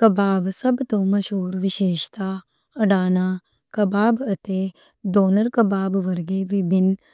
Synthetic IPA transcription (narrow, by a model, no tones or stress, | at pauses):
kɐbaːbsɐbt̪õːmɐʃɦuːɾʋɪʃeːʃt̪aː | ɐɖaːnaː | kɐbaːbɐt̪e | ɖoːnəɾkɐbaːbʋɐɾɡeːʋɪbʱɪn